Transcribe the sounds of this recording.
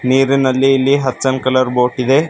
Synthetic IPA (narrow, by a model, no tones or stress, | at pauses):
niːɾinɐlːiːlːiɦɐt̪ːsɐnkɐlɐɾboːʈid̪e̞